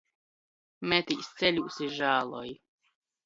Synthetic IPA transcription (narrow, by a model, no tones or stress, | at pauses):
mɛt̪ist̪sɛlʲuʔsiʒaːlˠɔj